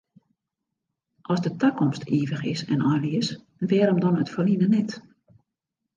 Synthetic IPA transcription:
ʔɔsdətəkɔmstʰiːvəxɪ̰sɛ̰nɔjliəs | nʋɛːɾəmdɔnətfəlinənɛt

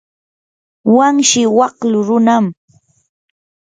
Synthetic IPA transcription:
waŋʃɪwɑqlʊɾʊnam

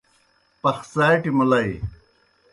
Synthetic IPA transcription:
pɐxsaːjʈimulɐj

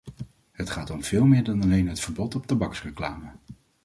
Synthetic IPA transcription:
ɦətχaːtɔmv̥ɪːlˠmɪːɹdɑnɑlejnɦətfəɹbɔtɔp̚tabɑksrəklaːmə

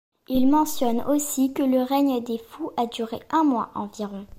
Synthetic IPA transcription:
ilmɑ̃sjɔnosikələʁɛɲd̪efuʔad̪yʁḛʔɛ̃mwa̰ʔɑ̃viʁɔ̃

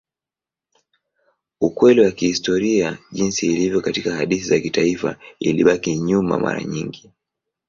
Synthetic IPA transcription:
ukwɛliwakihistɔɾiaʄinsiːlivjɔkatikahaɗiθizakitaifa̰iliɓakiɲuma̰ma̰ɾa̰ɲiŋɡi

